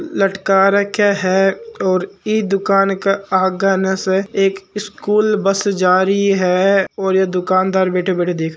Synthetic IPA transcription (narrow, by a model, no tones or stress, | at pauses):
ləʈkaːɾəkʰjaɦɛɔːɾid̪ʊkaːnkeaːɡaneseeːkɪskuːlbəsd͡ʒaːɾiɦɛɔːɾjed̪ʊkaːnd̪aːɾbeːʈʰebɛːʈʰed̪eːkʰ